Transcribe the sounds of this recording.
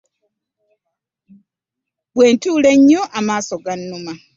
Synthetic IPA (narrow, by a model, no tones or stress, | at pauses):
βwe̞ːntuːle̞ɲːoʔamaːso̞ɡanːuma